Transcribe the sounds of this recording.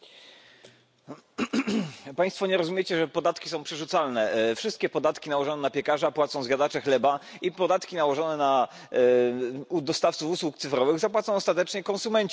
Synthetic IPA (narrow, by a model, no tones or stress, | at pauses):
paj̃st̪fɔɲɛɾɔzumʲjet͡ɕɛʐɛpɔd̪at̪kʲi̥sɔ̃w̃pʂɛʐut̪salnɛfʂɘst̪kʲɛpɔd̪at̪kʲinawɔʐɔnɛnapʲjɛkaʐapwat̪sɔ̃w̃zɡad̪at͡ʂɛxlɛbaipɔd̪at̪kʲinawɔʐɔnɛna | d̪ɔst̪aft̪sufuswukt̪sɘfɾɔvɘɣzapwat̪sɔ̃w̃ɔst̪at̪ɛt͡ʂɲɛkɔ̃nsumɛɲt͡ɕ